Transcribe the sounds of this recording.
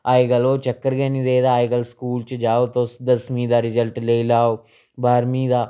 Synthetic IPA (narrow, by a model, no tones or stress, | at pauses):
aːiɡəloːt͡ʃəkːəɾɡɛːnĩːd̪eːd̪aːiɡəlskuːlt͡ʃd͡ʒaːoːt̪osd̪əsmĩːd̪aːɾɪzəlʈleiːlaːoː | baːɾmĩːd̪aː